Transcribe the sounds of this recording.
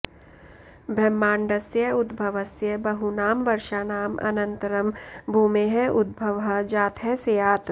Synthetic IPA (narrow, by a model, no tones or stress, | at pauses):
bʱɾɐmːaːɳɖɐsjɐʊd̪bʱɐʋɐsjɐbɐɦunaːmʋɐɾʃaːnaːmʔɐ̰nɐ̃nt̪ɐɾɐmbʱuːmeɦɛʔʊd̪̚bʱɐʋɦɐd͡ʒaːt̪ʰɦɛsejaːt̪